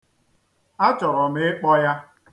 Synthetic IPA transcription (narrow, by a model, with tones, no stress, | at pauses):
a˦t͡ʃɔ˨ɾɔ˨mɪ˦k͡pɔ˦ja˦